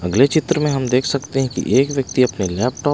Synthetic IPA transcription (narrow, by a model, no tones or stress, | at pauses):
ɐɡlet͡ʃɪt̪ɾəmẽɦɐmd̪eːkʰsɐkt̪eɦɛ̃kḭʔeːkʋjɐk̚t̪iɐpnelɛːp̚ʈɔː